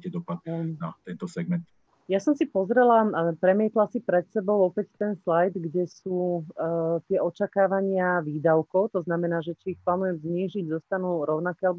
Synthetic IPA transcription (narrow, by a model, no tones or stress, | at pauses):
cɛd̪ɔpad̪̚nat̪ɛnt̪ɔsɛɡ̚mɛnt̪ | jasɔmsipɔzɾɛlapɾɛmiɛːt̪lasipɾɛt̪sɛbɔʊɔpɛct̪ɛnslajd̪ɡɟɛsuː | t̪ɪɛʔɔt͡ʃakaːʋaɲɪaʋiːd̪aʊkɔʊt̪ɔznamɛnaːʒɛt͡ʃiːxplaːnujɛmzɲiːʒiɟzɔst̪anuːɾɔʊnakɛːalɛbɔ